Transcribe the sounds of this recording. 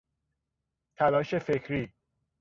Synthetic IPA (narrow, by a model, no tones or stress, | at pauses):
t̪ʰælɒːʃe̞fekʰɾiː